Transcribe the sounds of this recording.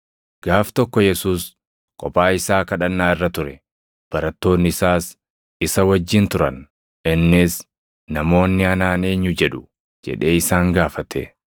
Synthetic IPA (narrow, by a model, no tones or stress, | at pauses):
ɡ̥aːft̪ɔkːɔjɛsuːs | kʼɔpʼaːɪsaːkɐᶑɐnːaːɪrːɐt̪ʊɾɛ | b̥ɐɾɐt̪ːo̞ːnːɪɪsaːs | ɪsɐwɐd͡ʒːɪnt̪ʊɾɐn | ɪnːɪs | nɐmo̞ːnːɪɐnaːneːɲːʊd͡ʒɛᶑʊ̥ | d͡ʒɛ̰ᶑe̞ːɪsaːŋɡaːfɐt̪ʰḛ